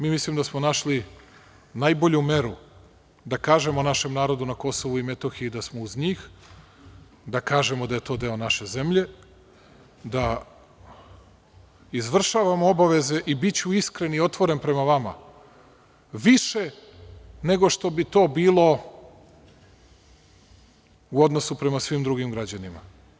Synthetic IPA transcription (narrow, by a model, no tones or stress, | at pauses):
miːmislimd̪asmonaʃli | najboʎume̞ɾu | d̪akaːʒe̞monaʃe̞mnaːɾo̞d̪unako̞so̞ʋuime̞t̪oxijud̪asmouzɲiːx | d̪akaːʒe̞mod̪aje̞t̪o̞ːd̪e̞o̞naʃe̞ze̞mʎe̞ | d̪a | izʋr̩ʃaːʋamoo̞baʋe̞ze̞ʔibit͡ɕuiskɾe̞nio̞t̪ʋo̞ɾe̞npɾe̞maʋama̰ | ʋiʃe̞ | ne̞ɡo̞ʃt̪o̞bit̪o̞ːbiːlˠo̞ | uo̞d̪no̞supɾe̞masʋiːmd̪ɾuɡimɡɾad͡ʑanima̰